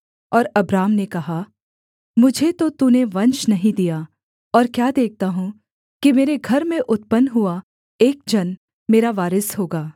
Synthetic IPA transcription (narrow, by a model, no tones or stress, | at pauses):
ɔːɾɐbɾaːmnekɐɦa | mʊd͡ʒʱet̪ot̪uneʋɐ̃ɲt͡ʃnɐɦĩd̪ijaː | ɔːɾkjaːd̪eːk̚t̪aɦũ | kimeːɾeɡʱɐɾmẽʔʊt̪̚pənɦua | eːk̚d͡ʒɐn | meːɾaʋaːɾəsɦoːɡaː